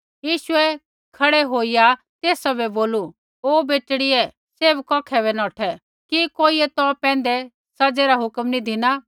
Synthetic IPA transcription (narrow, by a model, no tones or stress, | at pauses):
jiːʃʊɛ | kʰɐɽɛɦoːija | t̪eːsabɛboːlu | oːbeːʈɽiɛ | seːbkɔ̃ːkʰɛβɛnɔːʈʰɛ | kikoːiɛt̪ɔpɛ̃ːnd̪ɛ | sɐd͡zeɾaɦʊkmnid̪ʱɪna